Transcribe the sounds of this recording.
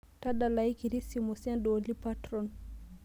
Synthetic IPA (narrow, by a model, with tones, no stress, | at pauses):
ta˦da˨la˨i˦ki˨ɾi˦si˨mo˨si˦a˦ndɔ˨li˦pa˦tɾɔ˦n